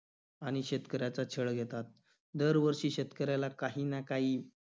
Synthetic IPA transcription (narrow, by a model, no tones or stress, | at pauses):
aɽ̃iɕet̪kəɾjat͡sat͡ɕʰəɭɡʱet̪at̪̚ | d̪əɾʋəɾʂiːɕet̪kəɾjalakaɦiːnakaɦiː